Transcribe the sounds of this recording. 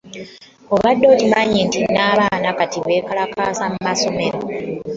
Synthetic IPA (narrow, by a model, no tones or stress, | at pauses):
o̞βadːo̞ːtiβaɲintinaːβaːnakatiβe̞ːkalakaːsamumaso̞me̞ɾo